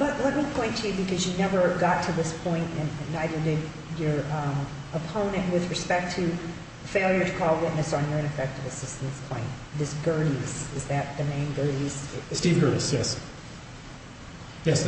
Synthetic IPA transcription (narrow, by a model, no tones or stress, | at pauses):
b̥ʌtlɛt̚mipʰɔ̃ɪ̃ntʰɨjɨbɨkʰʌzjɨnɛvə˞ɡɑtʰɨðɪspʰɔ̃ɪ̃ntɨ̃ñnːaɪðə˞dɪd | ə˞ | əpʰõʊ̃nɨ̃nʔwɨðɹɨspɛk̚tʰɨ | feɪlˠjə˞ɾɨkʰɔlˠwɪʔⁿnɨsn̩jə˞ɪ̃ñɨfɛk̚tɨvɨsɪstn̩skʰl̥ã̰ɪ̃ñ | ðɪsɡ̥ɜ˞ɾizɨzðɨt̪̚ðɨmẽɪ̃nɡɜ˞ɾiz̥stivɡɜ˞ɾisjɛs | jɛs